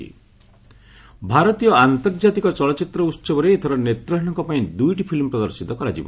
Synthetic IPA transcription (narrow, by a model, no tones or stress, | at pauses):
ḭ | bʱaɾɔt̪ijɔant̪ɔɾd͡ʒat̪ikɔt͡ʃɔɭɔt͡ʃit̪ɾɔutːsɔbɔɾeːt̪ʰɔɾɔnet̪ɾɔɦñɔ̃ŋkɔpaĩd̪ujʈipʰilmpɾɔd̪ɔɾsit̪ɔkɔɾad͡ʒḭbɔ̰